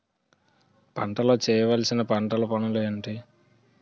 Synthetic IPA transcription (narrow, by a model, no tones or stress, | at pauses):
pɐ̰ɳʈɐlo̞ːt͡ʃɛːjɐʋɐːlsinɐpɐɳʈɐlɐpɐnuleɐɳʈi